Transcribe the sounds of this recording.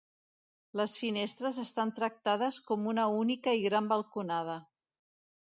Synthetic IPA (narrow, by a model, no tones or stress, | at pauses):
ləsfinest̪ɾəzəst̪ant̪ɾək̚t̪að̞əskɔmunəunikəiɣɾambəlˠkunað̞ə